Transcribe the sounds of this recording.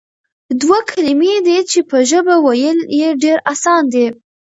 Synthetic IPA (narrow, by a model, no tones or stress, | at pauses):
d̪wakʰalimed̪et͡ʃepəʒəbawajəljeɖeɾasɑnd̪e